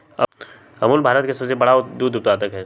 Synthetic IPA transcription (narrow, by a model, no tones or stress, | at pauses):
ɐmuːlbʱaːɾət̪kesɐbsebɐɽad̪uːd̪ʊpt̪aːt̪əkɦɛː